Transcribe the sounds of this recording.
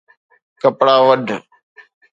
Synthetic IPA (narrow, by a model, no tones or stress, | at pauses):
kəpɽaːʋəɖʱ